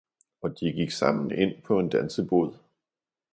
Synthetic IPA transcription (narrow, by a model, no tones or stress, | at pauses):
ɒ̽d̥iɡ̥iɡ̥sɑ̈m̰n̩e̝n̰pʰɒ̽e̝nd̥ænsəb̥o̝ð̞̰ˠ